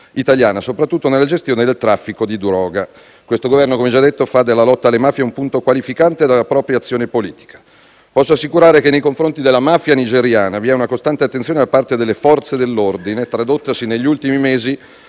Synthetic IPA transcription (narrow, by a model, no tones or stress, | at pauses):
it̪aljaːnasopɾat̪ːut̪ːonelːad͡ʒest̪joːned̪elt̪ɾafːikod̪id̪uɾɔːɡa | kwest̪oɡovɛrnokomed͡ʒad̪ːet̪ːofad̪elːalɔt̪ːaːlːemaːfjeumpunt̪okwalifikant̪ed̪alːapɾɔːpɾjat̪sːjoːnepoliːt̪i̥kḁ | pɔsːoasːikuɾaːɾekenːejkoɱfɾont̪id̪elːamafjanid͡ʒeɾjaːnaviɛunakost̪ant̪eat̪ːensjoːned̪apːart̪ed̪elːefɔrt̪sed̪elːord̪inet̪ːɾad̪ot̪ːasineʎːiult̪imimeːzi